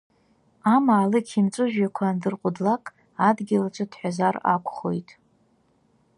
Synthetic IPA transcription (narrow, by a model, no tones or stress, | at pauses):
amaːlɨkʲʰimt͡sʷʼɨʒᶣakʷʰandɨrqʷʼʊdlakʼ | adɡʲɪlat͡ʃʷʰɨdʰħʷᶣazara̰kʷʰʼχo̞jtʼ